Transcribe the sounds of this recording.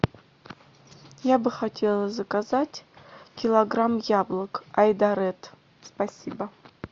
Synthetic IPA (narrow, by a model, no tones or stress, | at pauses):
jabɨχatʰʲelˠɐzɐkazatʲkʲɪlˠɐɡramjablˠəkajd̪aɾɛt̪ | spasʲibɐ